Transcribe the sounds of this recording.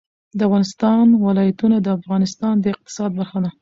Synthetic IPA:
d̪əafɣɑnɪst̪ɑnwɪlɑjat̪unad̪əafɣɑnɪst̪ɑnd̪əɪq̚t̪ɪ̥sɑd̪̚baɾxad̪a

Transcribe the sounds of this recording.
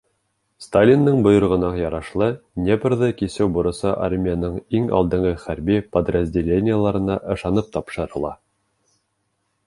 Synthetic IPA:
st̪alʲinːɤɴbŏjɤ̆ɾʁɤ̆nɑqjɑɾɑʃlˠɤnʲebrðɤkisɘwbŏɾɤ̆sɑʔarmʲɪjanɤɴiŋɑ̰lˠd̪ɤ̆ɴʁɤχæɾbipəd̪rəzʲdʲelʲenʲɪjəlˠɑɾɤ̆nɑʔɤ̆ʃɑnɤp̚t̪ɑpʃɤ̆ɾɤ̆lˠɑ

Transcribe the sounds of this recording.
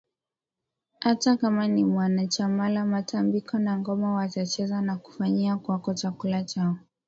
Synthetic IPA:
hatakamanimwanat͡ʃamalamatʰambikɔnaŋɡɔmawatat͡ʃɛzanaku̥faɲiakwakɔt͡ʃakulat͡ʃaɔ

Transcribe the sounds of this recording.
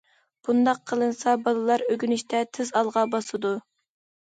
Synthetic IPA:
b̥und̪ɑqʰːəlˠɨnsɑbɑlˠɨlˠɑɾøɡʲynyʃt̪ʰɛt̪ʰɪzɑlˠʁɑbɑsɨd̪u

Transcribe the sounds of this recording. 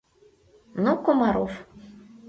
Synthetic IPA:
nokomɑɾo̰f

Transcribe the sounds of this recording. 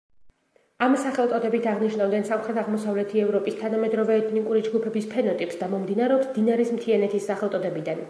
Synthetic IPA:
amsaχɛlˠt̪sʼɔd̪ɛbit̪ʰaʁniʃnavd̪ɛnsamχɾɛt̪ʰaʁmɔsavlɛt̪ʰiɛvɾɔpʼist̪ʰanamɛd̪ɾɔvɛːt̪ʰnikʼuɾid͡ʒɡupʰɛbispʰɛnɔt̪ʼipsd̪amɔmd̪inaɾɛɔpsd̪inaɾismt̪ʰianɛt̪ʰisːaχɛlˠʼɔd̪ɛbid̪an

